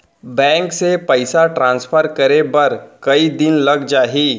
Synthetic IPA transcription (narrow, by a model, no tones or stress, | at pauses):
bɛ̃ːŋksepəɪsaʈɾãːnsfʰəɾkəɾebɐɾkɐid̪ɪnlɐɡd͡ʒaːɦiː